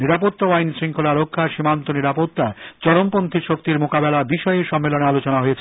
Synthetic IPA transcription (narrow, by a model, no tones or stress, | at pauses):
niɾapot̪ːoajnsɾiŋkʰolaɾokʰːaʃimant̪oniɾapot̪ːat͡ɕɔɽompont̪ʰiʃok̚t̪iɾmokabelabiʃɔeeʃɔmːelonealot͡ɕonaɦojet͡ɕʰe